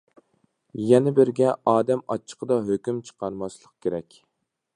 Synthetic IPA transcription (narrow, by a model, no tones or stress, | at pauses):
jɛnɪbɪɾɡʲɛʔɑːd̪ɛmɑt͡ʃʰːə̥qʰəd̪ɑɦøkʲymt͡ʃʰə̥qɑɾmɑslˠəq̚kʲʰeɾɛkʲ